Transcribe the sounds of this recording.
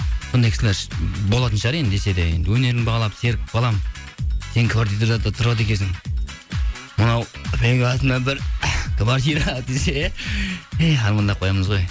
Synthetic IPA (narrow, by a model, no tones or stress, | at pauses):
sond̪ɑjkʰɪsɪlʲeɾʃbolˠɑt̪ənʃɑɾejnd̪e̞se̞d̪eje̞̰nd̪ɪwɵne̞ɾɪnbɑʁɑlˠɑpse̞ɾk̚qʰɑlˠɑmse̞nkʰvaɾt̪ijt̪oɾɑd̪ət̪ʰʊɾɑd̪ekʲesɪŋ | mənɑwɾeŋɡɑt̪ənɑbɪɾkʰvaɾt̪iɾad̪ese | ejɦɑɾmɑnd̪ɑpqʰo̞jɑməzʁo̞j